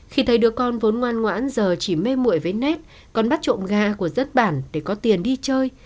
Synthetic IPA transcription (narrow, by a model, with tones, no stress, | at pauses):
xi˧t̪ʰə˨˦jɗɨ˨˧˩əkːɔ˧nvo˨˦nŋwaː˧nŋwa̰ː˧˥nzəː˨˩t͡ɕi˧˩me˧mṵ˧˨əjvəː˨˦jnɛ˦˥t̚ | kɔ˨˩nɓa˦˥t̚t͡ɕo̰˧˨mɣaː˧˨ku˧˩əzə˦˥t̚ɓaː˧˩nɗe˧˩kɔ˨˦t̪i˨˩ənɗi˧t͡ɕəː˧j